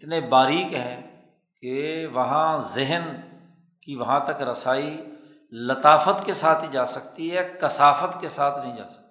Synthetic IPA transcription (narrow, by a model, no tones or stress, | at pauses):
ɪt̪nebaːɾiːkɦɛ̃ː | keʋɐɦãzɪɦən | kiʋɐɦãt̪əkɾɐsaːi | lət̪aːfət̪kesaːt̪ʰid͡ʒaːsɐk̚t̪iɦɛːkɐsaːfət̪kesaːt̪ʰnɐɦĩːd͡ʒa̰ːsɐ̥k̚t̪ː